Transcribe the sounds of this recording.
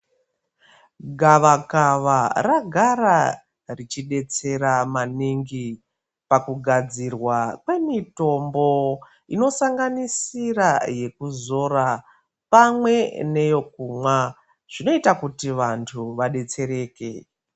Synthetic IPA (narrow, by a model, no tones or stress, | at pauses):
ɡʱaʋakaʋaraɡʱaɾa | rit͡ʃiɗe̞t͡se̞ɾamaniŋɡi | pakuɡʱad͡zirwakwe̞mito̞mbo̞ | ino̞saŋɡanisiraje̞kuzo̞ra | pamwe̞ne̞jo̞k̚umwa | ʐ̥ino̞itakutiʋantʰuʋaɗe̞t͡se̞ɾe̞ːke